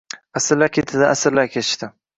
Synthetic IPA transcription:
asɪɾlakʲʰet̪ʰɪd̪ɪʔasɪɾlakʲʰet̪ʰɪʃt̪ɪ

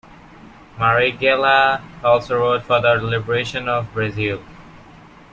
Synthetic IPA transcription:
maɹiɡɛlaɔlˠsoɹoːʈfɔd̪əɖlɪbəɹeʃə̃nɔvbɹazilˠ

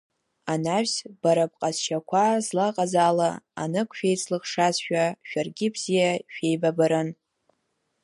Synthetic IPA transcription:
anaʃsb̥aɾapʼqʼaz̥ʃakʷʰazlaqʼazalaa̰nɨkʷʰʃᶣejt͡sʰʼlɨχʂazʃᶣaʃᶣarɡʲɪbz̥ijaʃᶣejbabaɾɨn

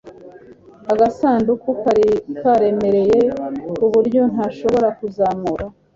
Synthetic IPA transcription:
aɡasaːndukukaɾikaɾe̞me̞ɾe̞je̞uβuɾɟo̞n̥haːʃo̞βo̞ɾakuzaːmuɾa

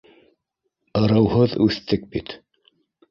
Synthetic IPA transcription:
ɤ̆ɾɤ̆whɤðʉθt̪ɘk̚bit̪

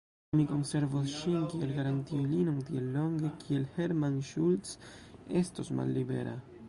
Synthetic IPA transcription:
miko̞nse̞ɾvosʃinkielɡaɾant̪ilinoŋt̪ielːoŋɡekʰielheɾmanʃultsest̪osma̰lːibḛɾa̰

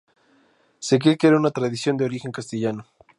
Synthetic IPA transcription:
sek̬ekeɾunat̪ɾaðisjo̞nd̪eo̞ɾixe̞ŋkast̪eʝano

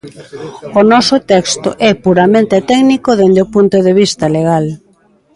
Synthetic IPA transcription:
onɔsʊt̪ɛkst̪o̰ʔɛpuɾamẽnt̪et̪ɛɡnikoðend̪eopunt̪oðeβ̞ist̪ɐleɣ̞al

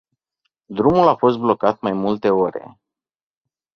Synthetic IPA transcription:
d̪ɾumulafo̞s̬t̪̚blo̞kat̪̚majmult̪e̞o̞ɾe̞̰

